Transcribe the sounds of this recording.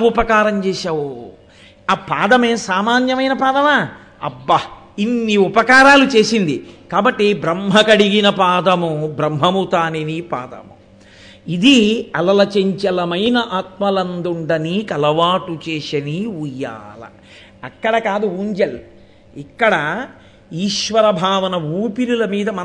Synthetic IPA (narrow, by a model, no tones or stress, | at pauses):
upɐkaːɾɐmt͡ʃɛːʃaːwo | apaːd̪ɐmeːsaːmaːnjɐmɐjnɐpaːd̪ɐmaː | ɐ̰bːɐ | inːiupɐkaːɾaːlut͡ʃe̞ːsind̪ikaːbɐʈːibɾɐmɦɐkɐɽiɡinɐpaːd̪ɐmubɾɐmɦɐmut̪aːninipa̰ːd̪ɐ̰mu | id̪iɐlɐlɐt͡ʃeɲt͡ʃɐlɐmɐjnɐʔaːt̪̚mɐlɐnd̪uɳɖɐnikɐlɐʋaːʈut͡ʃeːʃɐniujːa̰ːlɐ̰ | ɐkːɐɽɐkaːd̪uuːɲd͡ʒɐl | ikːɐɽɐ | iːʃʋɐɾɐbʱaːʋɐnɐʋuːpilulɐmiːd̪ɐmɐ